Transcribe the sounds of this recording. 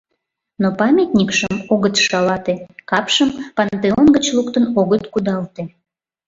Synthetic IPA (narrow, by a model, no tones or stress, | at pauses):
nopɑmʲet̪nʲikʃəmoɣət̪ʃɑlɑt̪ekɑpʃəmpɑnt̪eonɡət͡ɕlukt̪ənoɣət̪kud̪ɑlt̪e